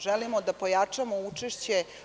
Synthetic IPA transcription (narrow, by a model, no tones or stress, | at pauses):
ʒelimod̪apojat͡ʂamout͡ʂeʃt͡ɕe